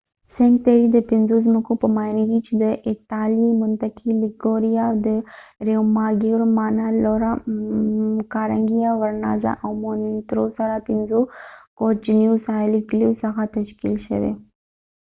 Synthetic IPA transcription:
seɳt̪eɾid̪əpinzuzməkupəmaːjnɡit͡ʃd̪əʔɪt̪aːlimʊnt̪ɐkiliɡoːɾijad̪əɾewmaːɡeɾmaːnaloɾa | kaːɾɐŋɡijaʋɐɾna̰ːza̰ʔɐwmoːnit̪ɾoːsɐɾapinzukoːt͡ʃnjuːsaːliɡljuːsɐɣat̪ɐʃkilʃɐ̰ʋḛ

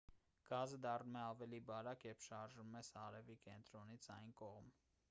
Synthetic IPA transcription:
ɡ̥ɑzəd̪ɑrnumɛɑvɛlibɑɾɑkjɛpʰʃɑɾʒumɛsɑɾɛvikɛnt̪ɾɔnit͡sʰɑjnkɔʁm

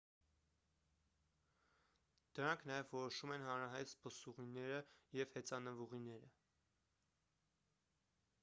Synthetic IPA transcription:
d̪̥əɾɑŋkʰnɑjɛvːɔɾɔʃumɛnɦɑnɾɑɦɑjt̪spəsuʁinɛɾəjɛv̥hɛt͡sɑnəvuʁinɛɾə

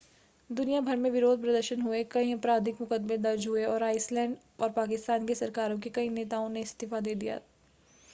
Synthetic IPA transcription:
d̪ʊnijabʱɐɾmẽʋɪɾoːd̪̚pɾɐd̪əɾʃənɦuekɐĩɐpɾaːd̪ʱɪkmʊkəd̪mẽd̪ɐɾd͡ʒɦueɔːɾaːɪslɛ̃ːɳɖ | ɔːɾpaːkɪst̪aːnkesɐɾkaːɾõkekɐineːt̪aːõneɪst̪ɪfad̪eːd̪ija̰ː

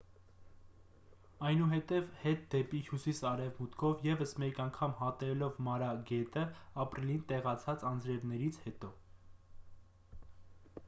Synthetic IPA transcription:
ɑjnuɦɛt̪ɛvhɛt̪̚d̪ɛpihjusisɑɾɛvmut̪kʰɔvjɛvəsmɛkɑŋkʰɑmhɑt̪ɛlɔvmɑɾɑɡɛt̪əɑpɾilint̪ɛʁɑt͡sʰɑt͡sɑnd͡zɾɛvnɛɾit͡sʰhɛt̪ɔ

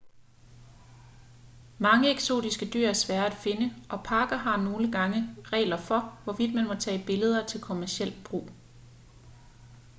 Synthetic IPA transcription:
mɑ̈ŋəeɡ̥so̝̰ːd̥isɡ̥əd̥y̰ɐ̰æɐsʋæːɐæd̥fe̝nəʔɒ̽pʰɑ̈ːɡ̥ɐɦɑ̈no̝ːləɡ̥ɑ̈ŋəʁɛ̰ːlɐfɒ̽ʋɒʋid̥̚mænmɒ̽t͡sʰɛ̰ːb̥e̝ləð̞ˠɐt͡sʰe̝lkʰo̝mæɐsiel̰b̥ʁṵː

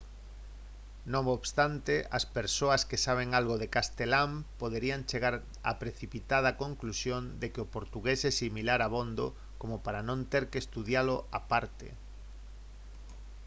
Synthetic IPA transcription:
nõŋoβst̪ant̪eʔɐspeɾsoɐskesaβ̞eŋalɣoðekast̪elampoðeɾiaŋt͡ʃeɣaɾ | a̰pɾeθipit̪að̞ɐkoŋklusjond̪ekeʊpoɾt̪uɣesɛsimilaɾaβond̪o̰ | komopaɾanõnt̪eɾkest̪uðjaloʔapaɾt̪ḛ

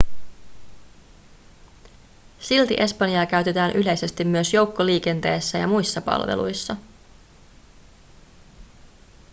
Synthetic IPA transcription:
silt̪ḭʔe̞spɑnjɑːkæɥt̪e̞t̪æːnʔyle̞jse̞st̪imːyøsjo̞wkːoliːke̞nt̪e̞ːsːæjɑ̰mujsːɑpɑ̰lʋe̞̰lṵjsːɑ

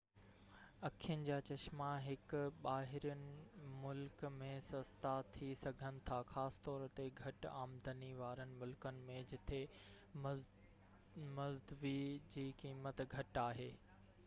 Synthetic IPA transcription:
ɐkʰijənɪ̆d͡ʑaːt͡ɕɐʃmaɦɪkɓaːɦɪɾənɪ̆mʊlkmẽsɐst̪ʰat̪ʰisɐɡʱənɪ̆t̪ʰaxaːsɪ̥t̪ɔːɾt̪eɡʱɐʈaːmd̪ʱəniʋaːɾənɪ̆mʊlkənɪ̆mẽd͡ʑɪt̪ʰe | mɐzd̪ʋid͡ʑiːkiːmət̪ɡʱɐʈaːɦeː

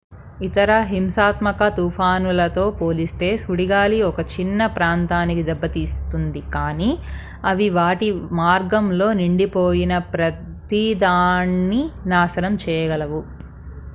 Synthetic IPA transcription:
it̪ɐɾɐɦimsaːt̪mɐkɐt̪uːpʰaːnulɐt̪o̞ːpo̞ːlist̪e̞ːsuɽiɡaːliɔkɐt͡ʃinːɐpɾaːnt̪aːnikid̪ɛbːɐt̪iːst̪und̪ikaːniː | ɐʋiʋaːʈimaːɾɡɐmlo̞ːniɳɖipoːjinɐpɾɐ | t̪id̪aːnːinaːsɐnɐmt͡ʃɛːjɐɡɐlɐʋu

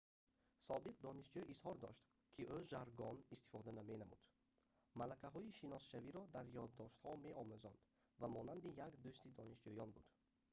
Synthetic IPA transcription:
sɔbiqd̪ɔniʃd͡ʒuʔishɔɾd̪ɔ̰ʃt̪ | kʰiʔøʒaɾɡɔnist̪i̥fɔd̪anamenamṵd̪̥ | malakaɦɔiʃinɔsʃaviɾɔd̪aɾjɔd̪ːɔʃt̪hɔmeʔɔmuzɔnd̪̥ | vamɔnand̪ijakd̪ust̪id̪ɔniʃd͡ʒujɔnbud̪̥

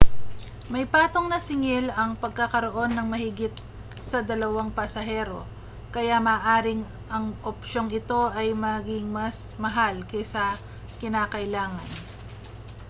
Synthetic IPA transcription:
mɐjpaːt̪oŋnɐsɪŋɪlɐŋpɐɡ̚kɐkɐɾo̞ʔo̞nːɐŋmɐhɪɡɪt̪̚ | sɐd̪ɐlɐwaŋpɐsɐɦɛɾo̞ | kɐjamaːʔaːɾɪŋ | ʔɐŋʔopʃo̞ŋɪt̪o̞ʔɐjmɐɡɪŋmɐsmɐɦalkɛsɐ | kɪnaːkɐʔɪlaːŋɐn

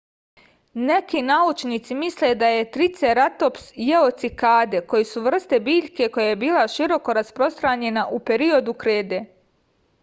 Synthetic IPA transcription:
ne̞kinaut͡ʃnit̪simisle̞d̪aje̞t̪ɾit̪seɾat̪o̞psjeot̪sikaːd̪e̞ko̞jesuʋr̩st̪e̞biːʎke̞ko̞jajebiːlˠaʃiɾo̞ko̞ɾaspɾo̞st̪ɾaɲe̞naʔupe̞ɾio̞d̪ukɾeːd̪e

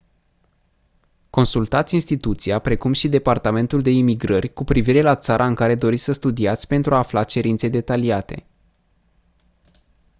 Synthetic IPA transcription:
ko̞nsult̪at̪sʲinst̪it̪ut̪siapɾe̞kumʃid̪e̞part̪ame̞nt̪uld̪e̞imiɡɾərʲkupɾiviɾe̞lat̪saɾʔaɨŋkaɾe̞d̪o̞ɾit̪sʲsəst̪ud̪iat̪sʲpe̞nt̪ɾuaːflat͡ʃe̞ɾint̪se̞d̪e̞t̪aliat̪e̞̰

